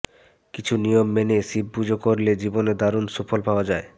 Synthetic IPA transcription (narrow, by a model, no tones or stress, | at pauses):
kit͡ɕʰunijomːenesib̚bud͡ʑʱokoɾled͡ʑiboned̪aɾunʃufʰolpaoad͡ʑae